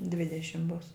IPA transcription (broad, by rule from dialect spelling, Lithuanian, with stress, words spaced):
ˈdʲʋʲɪdʲɛʃʲɪm bʊs